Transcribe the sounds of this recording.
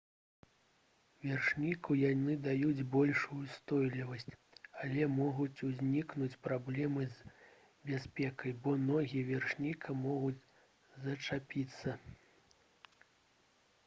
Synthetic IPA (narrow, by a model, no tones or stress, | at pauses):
vʲɛrʂnʲikujanɨd̪ajud͡zʲbɔlʲʂujust̪ɔjlʲivɐsʲt͡sʲ | alʲɛmɔɣut͡sʲuzʲnʲiknut͡sʲpɾablʲɛmɨzʲ | bʲasʲpʲɛkɐjbɔnɔɣʲiɛvʲɛrʂnʲikʰɐmɔɣud͡zʲ | zɐt͡ʂapʲit̪sːɐ